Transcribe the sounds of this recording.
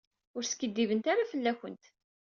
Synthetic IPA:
ʊɾsə̥kːəd̪ːivənt̪aɾafəlːæçənt̪

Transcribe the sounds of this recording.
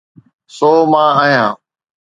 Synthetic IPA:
soːmãːaːɦijãː

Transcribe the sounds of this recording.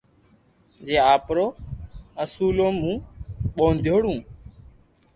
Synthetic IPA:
d͡ʒeːaːpɾoːəsuːloːmũːɓoːnd̪ʱjoːɽũː

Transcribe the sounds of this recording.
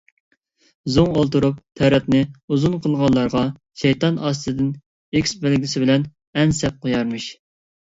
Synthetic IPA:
zuŋolˠt̪uɾup̚t̪ʰɛɾɛt̪nɪuzunqʰəlˠʁɑlːˠɑɾʁɑ | ʃɛjt̪ɑnɑːst̪ɨd̪ɪn | ekʲsbɪlɡʲisɪbɪlɛn | ɛnsɛp̚qʰojɑɾmɨʃ

